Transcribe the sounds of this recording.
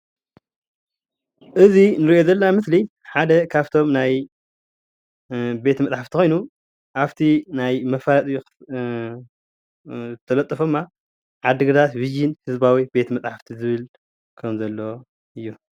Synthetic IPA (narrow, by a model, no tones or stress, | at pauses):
ʔɨzinɨɾiʔo̞zɐlːamɨsli | ħad̪ɐkʰaβt̪ʰo̞mnaj | be̞t̪mɐt͡sʼħaft̪ixo̞jnu | ʔaβt̪ʰinajmɐfaɾt̪ʼju | t̪ʰɐlɐt̪ʼːɨfod̪ɨmːa | ʕad̪ːɨɡɨd̪at̪bɨd͡ʒinhɨzbawibe̞t̪mɐt͡sʼħaft̪ʰizɨβɨl | kʰɐmzɐlːo | ʔɨjːu